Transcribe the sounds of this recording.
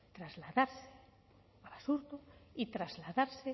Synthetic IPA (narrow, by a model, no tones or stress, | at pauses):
t̪ɾazlaðaɾse̥ | aβasuɾt̪oit̪ɾazlaðaɾse